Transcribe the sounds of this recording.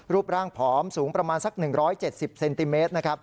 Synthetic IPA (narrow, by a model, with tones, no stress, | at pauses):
ɾuː˥˩p̚ɾaː˥˩ŋpʰɔː˩˦msuː˩˦ŋpɾa˧maː˧nsa˨˩k̚nɯ˨˩ŋɾɔː˦˥jt͡ɕe˨˩t̪̚si˨˩p̚se˧nt̪i˧meː˦˥t̪̚na˦˥kʰa˦˥p̚